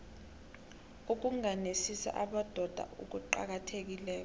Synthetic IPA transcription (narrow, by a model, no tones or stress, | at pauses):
uk̬uŋanesisa̰ʔaɓad̥ʱɔd̥ʱa̰ʔṵk̬uǃa̰k̬atʰek̬ilɛːk̬ɔ